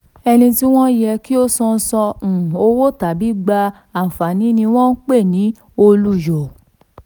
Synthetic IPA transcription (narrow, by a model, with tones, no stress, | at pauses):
ɛ˧nĩ˧ti˦w̃ɔ̃˦jɛ˧ki˦o˦sɔ̃˧n̩˦˧sɔ̃˧˨o˧wo˦ta˨bi˨˦ɡ͡ba˧ | a˨fa˨nĩ˨˦nĩ˧w̃ɔ̃˦n̩˦k͡pe˦˨nĩ˨˦ | o˧lu˦jo˨